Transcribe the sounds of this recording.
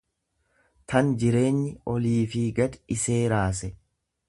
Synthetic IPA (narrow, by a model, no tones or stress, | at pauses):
t̪ʰɐnd͡ʒɪɾe̞ːɲːɪʔɔliːfiɡɐd̪ɪse̞ːɾaːs̬ɛ